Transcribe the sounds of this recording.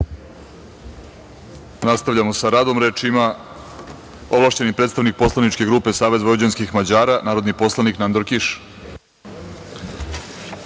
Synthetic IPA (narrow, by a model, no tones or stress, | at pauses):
nast̪aʋʎamosaɾaːd̪o̞mɾet͡ʃima | o̞ʋlˠaʃt͡ɕe̞nipɾet̪st̪aʋnik̚po̞slˠanit͡ʃke̞ɡɾuːpe̞saːʋe̞zʋoud͡ʑanskixmad͡ʑaːɾanaːɾod̪nipo̞slˠaniknand̪oɾkiʃ